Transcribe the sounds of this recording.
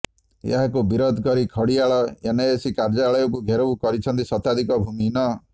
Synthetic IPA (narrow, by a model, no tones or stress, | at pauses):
jḛɦakubiɾɔd̪ʱkɔɾikʰɔɽiaɭɔeneːsikaɾd͡ʒaaɭɔjɔkuɡʱeɾobukɔɾit͡ʃʰɔnt̪isɔt̪ad̪ʱikɔbʱuminɔ